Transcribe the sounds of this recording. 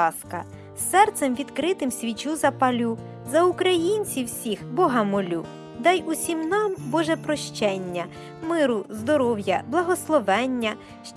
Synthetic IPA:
skɐ | sːɛrt̪semʋʲid̪kɾɪt̪ɪmsʲʋʲit͡ʃuzɐpɐlʲu | zɐukɾɐjinʲt͡sʲiwsʲixbɔɦɐmɔlʲu | d̪ɑjusʲimnɑmbɔʒɛpɾɔʃt͡ʃɛnʲːɐ | mɪɾʊzd̪ɔɾɔwjɐblˠɐɦɔslˠɔʋɛnʲːɐ | ʃt͡ʃ

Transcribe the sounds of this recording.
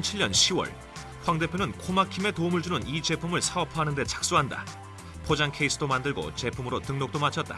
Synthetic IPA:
nt͡ɕʰiɭɲʌnɕʰiwʌ̰ɭ | ɸwaŋde̞pʰjonɯnkʰomakʰime̞tomɯɭd͡ʑunɯnit͡ɕe̞pʰumɯɭsʰaʌpʰʌɦanɯnde̞t͡ɕʰḁk̚s͈uɦanda̰ | pʰod͡ʑaŋkʰeis͈ʰɯdomandɯɭɡo̰t͡ɕe̞pʰumɯɾotɯŋnok̚t͈omat͡ɕʰʌt̚t͈a

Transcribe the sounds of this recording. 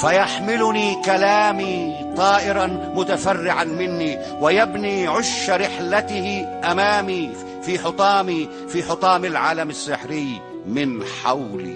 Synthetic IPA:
fajaħmɪlʊniːkalaːmi | t̪ˤɑːʔɪɾɑmʊt̪afarːɪʕanmɪnːi | wɪjabniːʕʊʃːaɾɪħlat̪ɪhɪʔamaːmi | fiːħʊt̪ˤɑːmi | fiːħʊt̪ˤɑːmɪlʕaːlamasːɪħɾɪj | mɪnħa̰wlḭ

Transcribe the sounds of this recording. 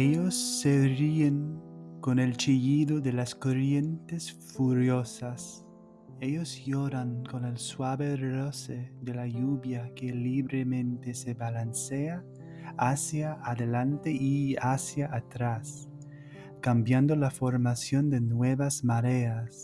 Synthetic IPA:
eʎosːerieŋkonelt͡ʃiʎiðoðelaskorje̞nt̪esfuɾjosas | e̞ʎozjoɾaŋko̞nelswaβeroseðelajuβjakeliβɾemẽnt̪eseβalansea | asjaːðelant̪eʔiasjaʔːt̪ɾas | kambjand̪olafoɾmasjo̞nd̪enweβazmaɾeas

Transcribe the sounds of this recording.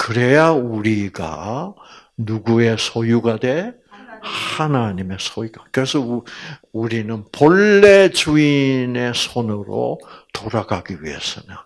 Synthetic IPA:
kɯɾe̞jauɾiɡa̰ | nuɡue̞sʰojuɡadwe̞ | hanaɲime̞sʰoiɡakɯɾe̞sʰʌ | uɾinɯnpʌɭːe̞t͡ɕuine̞sʰonɯɾo̰t̪oɾaɡaɡiɥiɦe̞̰s͈ɯɲa

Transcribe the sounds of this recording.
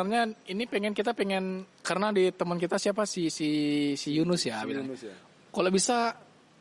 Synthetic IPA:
ərɲainipeŋɛnkit̪apeŋɛnkaɾənadit̪əmənkit̪asiapasisisijunʊsjabi | kalobisa

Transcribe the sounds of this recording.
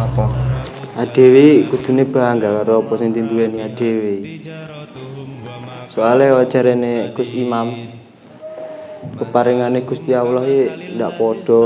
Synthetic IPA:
pɔ | ad̥e̤wekud̪̥ṳneb̥a̤aŋɡakaɾopɔseŋnt̪int̪uɛniad̥e̤we | sualeɔt͡ʃaɾɛneɡ̥ʊsimam | pəpaɾiŋaneɡ̥ust̪iawlɔɦendaʔpɔɖ̥ɔ̤

